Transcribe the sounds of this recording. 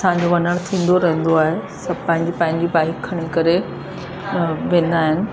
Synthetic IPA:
ɐsãɲd͡ʑoʋɐnəɽ̃t̪ʰĩːnd̪oɾɐɦə̃n̆d̪oaːɦesɐbpɐ̃ɦɪ̃ɲd͡ʑipɐ̃ɦɪ̃ɲd͡ʑibaːɦɪkkʰːɐɽ̃ikɐɾe | ʋẽːn̆d̪aːɦɪnɪ̆

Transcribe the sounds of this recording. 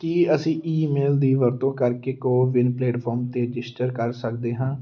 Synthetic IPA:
kiːəsĩːʔiːmeːld̪iːʋəɾt̪õːkəɾkeːkoːʋɪnpleːʈpʰɔːɾmt̪eːɾɪd͡ʒɪsʈəɾkəɾsəkd̪eːɦãː

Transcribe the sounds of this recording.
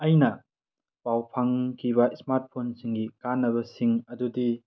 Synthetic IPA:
ɐjnɐ | pawpʰaŋkʰiβɐsmaɾt̚pʰonsiŋɡikanːɐβɐsiŋɐdudi

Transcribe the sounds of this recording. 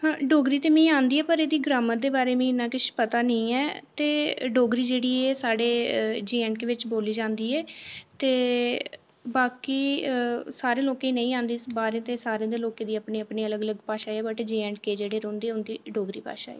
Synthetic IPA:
ɦãːɖoːɡɾiːt̪eːmɛ̃ːãːnd̪iːɛːpəɾeːd̪iːɡɾaːmət̪̚d̪eːbaːɾeːmɛ̃ːɪnãːkɪʃpət̪aːnəĩːɛːt̪eːɖoːɡɾiːd͡ʒeːɽiːɛːsaːɽeːd͡ʒeːɛ̃ɳʈkeʋɪt͡ʃboːliːd͡ʒãːnd̪iːɛːt̪eː | baːkiːsaːɾẽːloːkẽiːnə̃ĩːãːnd̪iːbaːɾẽːt̪eːsaːɾẽãːd̪eːloːkẽːd̪iːəpneːəpneːələɡələɡpaːʃaːeɛːbəʈd͡ʒeːɛ̃ɳʈkeːd͡ʒeːɽeːɾõːnd̪eːʊnd̪iːɖoːɡɾḭːpa̰ːʃa̰ːḛː

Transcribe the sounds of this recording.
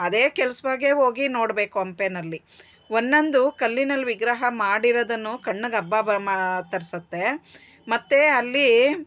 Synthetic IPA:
ɐd̪e̞ːkɛlɐsʋaːɡeɦo̞ːɡino̞ːɽbe̞ːkuɐmpenɐlːi | onːɐnd̪ukɐlːinɐlːʋiɡɾɐɦɐmaːɽiɾɐd̪ɐnːukɐɳːɐɡɐbːaːbɐmat̪ɐɾisɐt̪ːe̞ | mɐt̪ːeɐlːi

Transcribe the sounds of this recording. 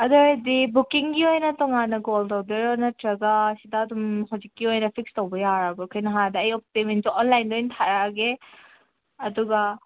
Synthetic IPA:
ɐdɔɾdibukiŋɡiojnɐtɔŋanɐɡoltɔwdeɾojnɐtɾɐɡasidɐːdumɦɐwzikːiojnɐpʰik̚stowbɐjaɾabɔkʰɐjnɐɦadɐːjɔp̚temensɔnlajndojnt̪ʰaɾaɡe | ɐduɡɐ

